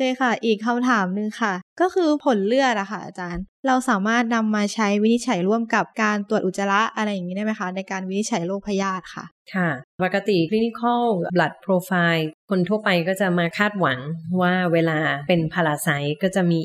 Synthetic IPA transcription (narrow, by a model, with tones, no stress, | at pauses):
kɯː˧jxa˥˩ʔiː˨˩kʰːa˧mt̪ʰaː˩˦mnɯ˧ŋxʰa˥˩kɔː˥˩kʰɯː˧pʰo˩˦nlɯ˥˩ət̪̚ʔa˨˩xʰa˥˩ʔa̰˧˩t͡ɕaː˧nɾa˧wsaː˩˦maː˥˩t̪̚na˧mːaː˧t͡ɕʰa˦˥jwi˦˥ni˦˥t̪̚t͡ɕʰa˩˦jɾu˥˩əmka˨˩p̚kaː˧nt̪u˨˩ət̪ʔu˨˩t̪̚ːsa˧la˦˥ʔʔa˧ɾa˧jːŋːiː˦˥da˥˩ma˦˥jxʰa˦˥na˧jkaː˧nwi˦˥ni˦˥t̪̚t͡ɕʰa˨˩˦jloː˥˩k̚pʰa˧jaː˧˥˩t̪̚kʰa̰˥˩ʔ | kʰa˥˩pa˨˩kːa˧t̪i˨˩kʰli˦˥ni˦˥kʰɔ˥˩wbla˨˩t̪̚pʰɾoː˧faː˧jkʰo˧nt̪ʰu˥˩əpa˧jkɔː˥˩t͡ɕa˨˩maː˧kʰaː˥˩t̪̚wa˩˦ŋwaː˥˩weː˧laː˧pe˧npʰa˧la˧sa˦˥jkɔː˥˩t͡ɕa˨˩ʔmiː˧